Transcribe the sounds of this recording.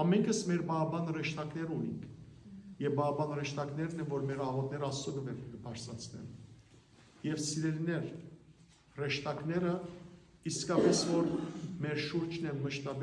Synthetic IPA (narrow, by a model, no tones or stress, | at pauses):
ɑmɛŋkʰəsmɛɾbɑɦɑbɑnrɛʃt̪ɑknɛɾunḭŋkʰjɛvbɑːbɑnrɛʃt̪ɑknɛɾnɛvɔɾmɛɾɑʁɔt̪̚nɛɾəɑst͡sɔɡəvɛɾɡəpʰɑɾsɑt͡sʰnɛ̰n | jɛvsiɾɛlinɛɾ | rɛʃt̪ɑknɛɾə | iskɑpɛsvɔɾmɛɾʃuɾt͡ʃʰnɛməʃt̪ɑb